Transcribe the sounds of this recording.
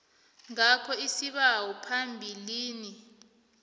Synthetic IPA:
ŋakʰɔisiɓawɔpʰambʱiliːni

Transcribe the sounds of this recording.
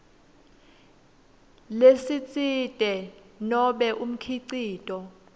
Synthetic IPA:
lesit͡sʼitʼɛnɔɓɛʔum̩kʰiǀiːtʼɔ

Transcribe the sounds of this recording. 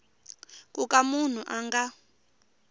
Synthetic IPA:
k̬ʼukamun̤uʔaŋɡa

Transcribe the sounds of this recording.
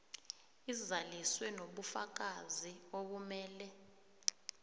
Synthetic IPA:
izaliswɛnoɓufak̬azioɓumɛːlɛ

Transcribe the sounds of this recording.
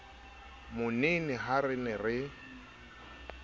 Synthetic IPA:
mʊnenɪɦarɪnɛrɪ

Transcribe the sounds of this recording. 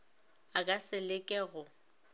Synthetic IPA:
akʼasɪlɪkʼɛɣʊ

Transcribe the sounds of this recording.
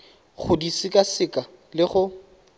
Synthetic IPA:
χʊdisɪkʼasɪkʼa | lɪχʊ

